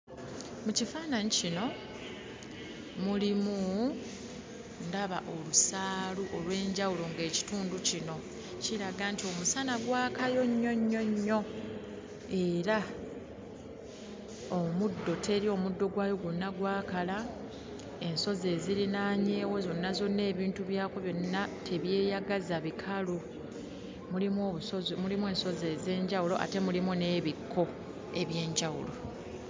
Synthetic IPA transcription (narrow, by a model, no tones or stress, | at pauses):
mucifaːnaɲicino̞ | mulimu | ndaβaʔo̞lusaːluʔolwe̞ːɲɟawulo̞ŋɡe̞ːci̥tuːnducino̞ | ciɾaɡantio̞musanaɡwaːkajo̞ɲːo̞ɲːo̞ɲːo̞ | e̞ːɾa | omudːo̞tʰe̞ɾio̞ːmudːo̞ɡwaːjo̞ɡunːaɡwaːkala | e̞nso̞ze̞ːziɾinaːɲe̞ːwo̞zo̞nːazo̞nːe̞ːβiːntuβjaːkoβjo̞nːatʰe̞βje̞ːjaɡazaβikʰalu | mulimoβumulimwe̞ːnso̞ze̞ːze̞ːɲɟawulo̞̰ʔa̰te̞mulimune̞ːβikʰːo̞ | e̞βje̞ːɲɟawṵlo̞